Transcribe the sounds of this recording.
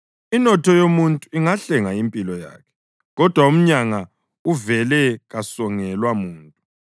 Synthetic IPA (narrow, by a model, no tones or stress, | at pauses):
inɔtʰɔjomuntʼuiŋaɬɛŋaimpʼilɔja̰ːkʰɛ̥ | ɣɔd̥ʱwaum̩ɲaŋa | uvɛlɛɣasɔŋɛlwamuːntʼu